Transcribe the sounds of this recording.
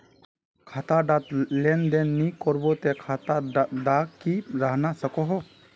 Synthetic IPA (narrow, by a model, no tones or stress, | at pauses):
kʰaːt̪aɖat̪lend̪enːikɔɾbot̪ekʰat̪aɖakkiɾəɦnasəkoɦo